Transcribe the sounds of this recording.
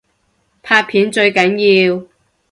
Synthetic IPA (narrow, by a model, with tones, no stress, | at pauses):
pʰaː˧t̚pʰiː˨˥nt͡ʃɵ˧ɥkɐ˨˥njiː˧w